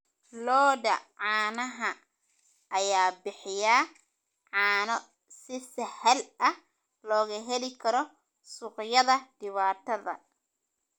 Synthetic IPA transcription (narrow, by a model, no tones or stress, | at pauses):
lɔːdɐʕaːnɐɦɐ | ʔɐjaːbɪħɪjaː | ʕaːnɔ | sɪsɐhɐlʔɐ | lɔːɣɐɦɛlɪkʰɐɾɔ | sʊqjɐðɐd̥ɪβaːt̪ʰɐðɐ̰